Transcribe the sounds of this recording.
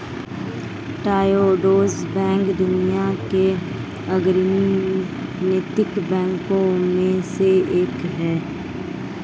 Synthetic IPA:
ʈaːjoːɖoːzbɛ̃ːŋkd̪ʊnijake | əɡɾni | nɪt̪ɪkbɛ̃ːŋkõmẽseeːkɦɛː

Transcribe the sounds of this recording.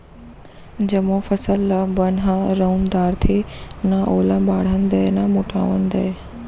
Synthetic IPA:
d͡ʑɐmofɐsəlːbɐnɦəɾɐund̪aːɾt̪ʰenɐʔoːlə̃baːɽ̤ənd̪ɐnɐmʊʈʰa̰ːʋənd̪ɐe

